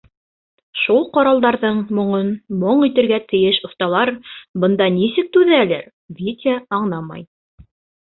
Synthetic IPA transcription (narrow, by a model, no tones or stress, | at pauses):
ʃulˠqɑɾɑlˠd̪ɑɾðɤɴmŏɴɤnmoɴit̪ɘ̆ɾɡæt̪ɘ̆jɘʃŏst̪ɑlˠɑɾbɤ̆nd̪ɑnisɘk̚t̪ʉðæælæ̰ɾ | vʲit̪ʲɪəɑɴnɑmɑ̰j